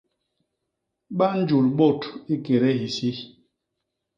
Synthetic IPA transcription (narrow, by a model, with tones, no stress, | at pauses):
ɓa˦n̩˦d͡ʒu˨lɓo˦˨ti˦ke˨ɾɛ˦ɦi˨si˦